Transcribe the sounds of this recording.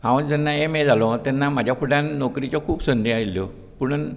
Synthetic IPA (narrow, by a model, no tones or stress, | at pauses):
hãwnd͡zɛnːaemed͡zʱalɔt̪janːam̤ad͡ʑʱjapʰuʈãnːɔkɾit͡ɕɔkʰuːpsənd̪ʱiailjɔ | puɳn